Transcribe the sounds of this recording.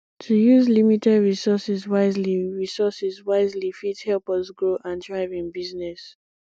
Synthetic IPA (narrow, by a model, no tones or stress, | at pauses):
tʰujuzlimitɛdɹisɔsɛzwaɪzliɹisɔsɛzwaɪzlifithɛlˠpɔsɡɹoʔãndɹaɪvĩnbiznɛs